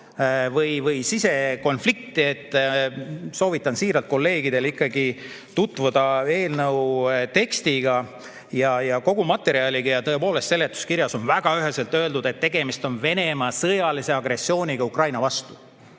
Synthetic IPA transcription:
vɤjvɤjsise̞ko̞nflik̚t̪ˑiet̪ːˑ | so̞ːvit̪ːˑɑnsiːɾɑlt̪̚ko̞lːe̞ːɡid̪̥e̞likːˑɑɡi | t̪ut̪ːˑvud̪̥ɑe̞ːlnɤwt̪e̞kst̪iɡ̥ɑ | jɑjɑko̞ɡ̥umɑt̪ːˑe̞ɾiɑlʲiɡ̥ɑjɑt̪ɤ̞e̞po̞ːle̞st̪se̞lːet̪ːˑu̥skiɾjɑso̞nvæɡ̥ɑyɦeselt̪ːˑø̞ld̪ud̪e̞t̪ːe̞ɡ̥e̞mist̪o̞nve̞ne̞mɑsɤjɑlise̞ɑɡre̞sːio̞ːnʲiɡ̥ɑukrɑjnɑvɑst̪u̥

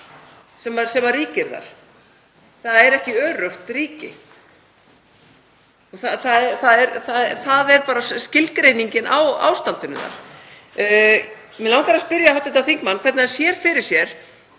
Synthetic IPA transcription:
sɛmvaɾsɛmvarriːcɪɾða̰ɾ̥ | θaðɛɾɛhcɪœːrœht̪riːcɪ̰ | ɔθaθaðɛθaðɛɾθaðɛθaðɛɾpaːɾascɪlkɾejniɲcɪnʔa̰wa̰ːwst̪ant̪ʏnʏ̰ða̰ɾ̥ | mɪnlawŋkaɾaspɪɾjahɔwt̪ɪt̪aθiŋkmanːkʰɛt̪naðɛnsjɛɾ̥fɪɾɪɾ̥sjɛɾ̥

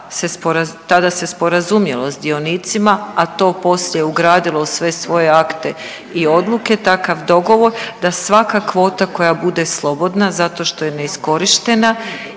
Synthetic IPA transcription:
se̞spoɾat̪ad̪ase̞spo̞ɾazumjelo̞zd̪io̞niːt̪simaat̪o̞ːpo̞sʎeeuɡɾaːd̪ilˠo̞usʋe̞sʋo̞je̞akt̪e̞ | io̞d̪lˠuke̞t̪akaʋd̪o̞ɡo̞ʋo̞ɾd̪asʋakakʋo̞ːt̪ako̞jabud̪e̞slˠo̞bo̞d̪nazat̪o̞ʃt̪o̞je̞ne̞isko̞ɾiʃt̪e̞na

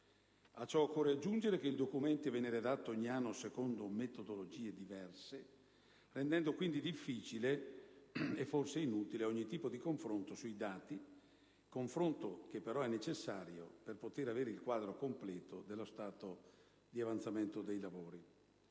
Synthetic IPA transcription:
at͡ʃːɔkːɔːrɾead͡ʒːund͡ʒeɾek̟eild̪okument̪ivɛːnːeɾed̪at̪ːoɔɲːianːosekond̪omet̪od̪olod͡ʒiːed̪ivɛrse | rend̪ɛnd̪okwind̪id̪ifːiːt͡ʃile | efːorseinuːt̪ileɔɲːit̪iːpod̪ikoɱfɾont̪osuid̪aːt̪i | koɱfɾont̪ok̟epːeɾɔɛnːet͡ʃesːaːɾjo̰perpot̪eɾaveːɾeilkwaːd̪ɾokomplɛːt̪od̪elːost̪aːt̪o | d̪iavant̪sament̪od̪ejlavoːɾi

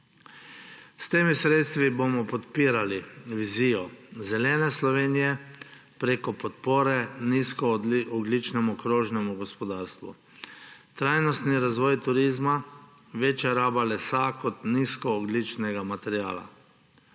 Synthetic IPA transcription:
st̪eːmisɾet̪st̪ʋibomɔpɔt̪piːɾaliʋizijɔzɛlɛːnɛslɔʋeːnijɛ | pɾeːkɔpɔt̪poːɾɛniskɔɔɡlit͡ʃnɛmukɾoːʒnɛmuɡɔspɔd̪aːɾst̪ʋṵ | t̪ɾajnɔst̪niɾazʋɔːjt̪uɾiːzma | ʋet͡ʃjaɾaːbalɛsakɔt̪niskɔːɡlit͡ʃnɛɡamat̪ɛɾja̰ːla̰

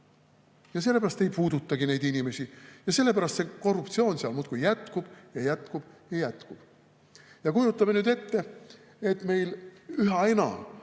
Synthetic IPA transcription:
jɑse̞lːeæɾɑst̪e̞jpuːd̪̥ut̪ːˑɑɡ̥ine̞jd̪inʲime̞sʲijɑse̞lːe̞pæɾɑst̪se̞ko̞rːup̚t̪sio̞ːnseɑlmuːt̪kujːæt̪kub̥jɑjæt̪kub̥jɑjæt̪kub̥ | jɑkujut̪ːˑɑme̞nyːd̪e̞t̪ːe̞ | et̪ˑme̞jlyɦɑenɑ̰

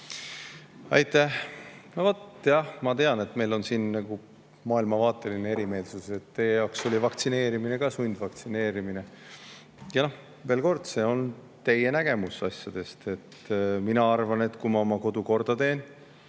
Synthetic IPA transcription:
ɑjt̪ːˑæhnovot̪jɑhmɑt̪e̞ɑne̞t̪me̞jlo̞nsiːnnæɡ̥u | mɑːilmɑvɑːt̪ˑːe̞linee̞ɾime̞ːlsuse̞t̪ːe̞ːjejɑwkso̞lʲivɑkt̪sine̞ːɾimine̞kɑsunʲd̪̥vɑk̚t̪sine̞ːɾimine̞ | jɑnoh | ve̞ːlko̞rd̪̥se̞ːo̞n | t̪e̞je̞næɡ̥e̞musɑsjɑd̪̥e̞st̪e̞t̪ːminɑɑrvɑne̞t̪kumɑo̞mɑko̞d̪uko̞rd̪̥ɑt̪e̞ːn

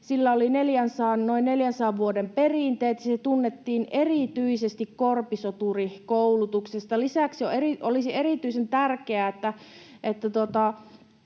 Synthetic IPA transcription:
silːæolineljænsɑːnnoinneljænsɑːʋʋuodemperiˑnt̪eːt̪jɑset̪unːet̪ːiːnerit̪yisest̪ikkorpisot̪urikoulut̪uksest̪ɑlisæksjoeriʔolisierit̪yisent̪ærkeæet̪ːæet̪ːæt̪ot̪ɑ

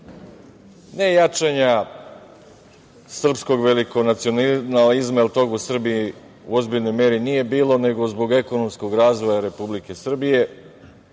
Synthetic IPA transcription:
ne̞jat͡ʃaɲa | sr̩psko̞ɡʋeliko̞nat̪sijo̞nnalizmailˠt̪o̞ɡusr̩bii | ṵo̞zbiʎno̞jmeɾinije̞biːlo̞ne̞ɡo̞zbo̞ɡe̞ko̞no̞msko̞ɡɾaːzʋo̞jaɾe̞publike̞sr̩bije̞

